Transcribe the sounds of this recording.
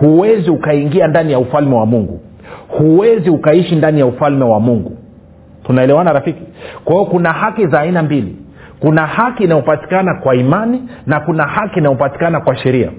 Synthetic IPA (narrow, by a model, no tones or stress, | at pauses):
huwɛziukaiŋɡiandanijaufalmɛwamuŋɡṵ | huwɛziukaiʃindanijaufalmɛwamuŋɡu | tunaɛlɛwanaɾafiki̥kwaiɔkunahakizaːinambilḭ | kunahakinajɔpati̥kanakwaimaninakunahakiːnajɔpati̥kanakwaʃɛɾia̰